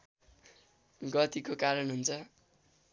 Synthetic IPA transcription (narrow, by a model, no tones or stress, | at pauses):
ɡʌt̪ikokaɾʌnɦunt͡sʰʌ